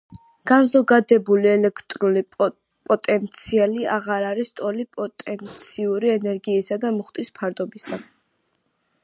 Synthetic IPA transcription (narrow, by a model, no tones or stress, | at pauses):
ɡ̥anzɔɡad̪ɛbuliɛlɛkʰt̪ʼɾuli | pʼɔt̪ʼɛnt̪sʰialiaʁaɾaɾist̪ʼɔlipʼɔt̪ʼɛnt̪sʰiuɾiɛnɛɾɡiːsad̪amuχt̪ʼispʰaɾd̪ɔbisa